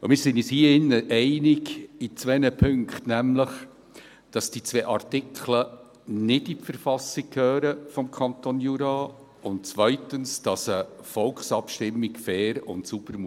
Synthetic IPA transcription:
ʊmɪːɾsɪnishiːəɪnːəʔɛɪnɪɡit͡sʋɛnəpʰʏŋkχtnæmləχ | d̥ɑsd̥it͡sʋɛːʔɑrtɪkʰlə | nɪdifəɾfɑsɪkkʰhøːɾəfɔmkʰɑntonjuːɾɑː | ʊntt͡sʋœɪtənsd̥ɑsəfɔlksɑpʃtɪmːɪkfɛːɾʊ̰ntsubəɾm

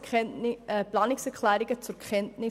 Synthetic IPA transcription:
plɑːnɪksɛɾklæːɾiɡ̥ət͡sʊɾkʰχɛntnɪ

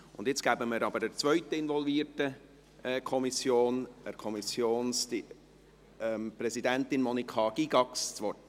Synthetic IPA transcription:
ʊndɪt͡sɡ̥æbəməɾɑbəɾəɾt͡sʋœʏtəɪnʋɔlviːtə | kʰɔmisjoːnəkʰɔmisjoːnsti | ɛmpɾɛzidæntɪnmɔnikʰɑɡ̥iɡɑkst͡sʋɔt

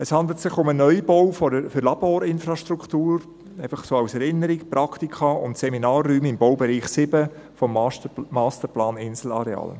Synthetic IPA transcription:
əshɑnd̪l̩tsɪχʊmənœʏb̥owfɔdəfʏɾlɑboːɾɪnfɾɑʃtɾukʰtuːɾ | eɪfɑχsoːaʊsɛɾɪnəɾɪkpɾɑktikʰɑʊntsɛminɑːrːyːmɪmbowbɛɾiːχsɪbə | fɔmmːɑːstəɾplɑːnɪnsl̩ɑ̰ɾɛɑ̰ːl

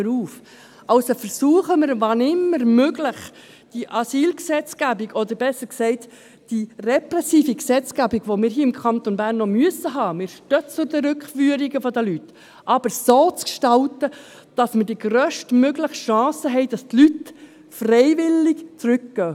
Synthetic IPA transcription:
əɾuːf | ɑlsofəɾsuːəχəmɪɾvɑnɪmːəɾmøɡlɪχ | d̥iʔɑsiːlksɛt͡sɡ̥æbiɡɔd̪əɾbɛsːəɾksɛɪt | d̥irɛprɛsiːfiksɛt͡sɡ̥æbiɡ̥ʋomɪːɾɦiːɪmkʰɑnt̪ɔnbæːɾnːɔmyəsəɦɑːmɪːɾʃtœt͡sʊdəɾʏkχfyəɾiɡəfɔd̪əlyt̪ | ʔɑb̥əɾsoːt͡skʃtɑltə | d̥ɑsməd̥iɡɾœːʃtmøɡləχʃɑ̃ːsəɦɛɪd̥ɑst̪lyt | frɛɪʋɪlɪɡt͡sɾʏkːɡ̥œ

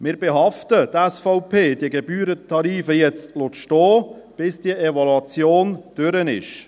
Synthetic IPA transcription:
mɪːɾbɛɦɑftətæsfɔʊpʰeːd̥iəɡɛbyːɾətʰɑɾiːfəjɛt͡stlotʃtɔːb̥ɪsd̥iəɛvɔluɑt͡sjoːnd̪̥ʏɾənɪ̰ʃ

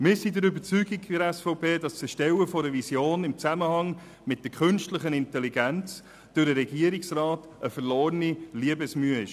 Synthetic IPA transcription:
mɪːɾsidəɾʏbəɾt͡syɡikəɾɛsfɔʊpʰeːd̥ɑst͡səʃtɛwəfɔɾəvisjoːnɪmt͡sæməhɑŋ | mɪt̚d̥əkʰɵnʃtləχənɪntɛliɡænt͡s | d̥ʊɾdəɾɛɡiəɾiksrɑːt | əfəɾloːɾəniliəbəsmyəɪʃ

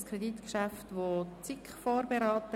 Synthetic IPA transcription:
skʰɾeditkʃaftʋot͡sikχfoːɾbeɾɑːtə

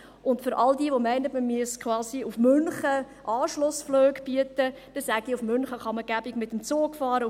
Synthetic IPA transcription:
ʔʊntfʏɾʔɑldiːʋomɛɪnətməmyəskʰχwɑːsiufmʏnχə | ʔɑːʃlʊsfløːɡb̥yətəd̥ɛsæɡ̚diufmʏnχəχɑməɡ̥æbɪɡmɪtəmt͡soːɡfɑːɾə

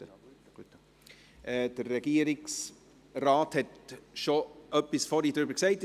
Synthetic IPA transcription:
t | ʔɛd̥əɾːɛɡ̥iəɾɪks | raːthɛtʃoʔœpːisfɔɾid̪ɾʏbəɾksɛɪt

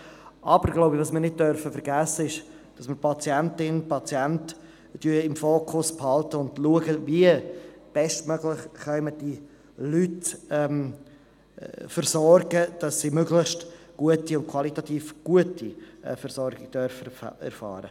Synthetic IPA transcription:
ʔɑbəɾɡ̥loʊbəvɑːsmɪːɾnɪt̚d̥œɾfəfəɾɡæsːəɪʃ | d̥ɑsməpʰɑt͡sjɛntɪnpʰɑt͡sjɛnt | d̥yɪmfoːkʰʊsphɑltəʊndluəɡəviəb̥ɛstmœɡlɪχχœʏməd̥i | lytɛm | fərsɔrɡəd̥ɑsːiːmøɡlɪχʃt | ɡ̥uətiʊnkʰwɑlitɑtiːfɡ̥uətʰifəɾsɔɾɡɪɡ̥̚d̥œɾfəɛ̰ɾfɑ̰ːɾə̰

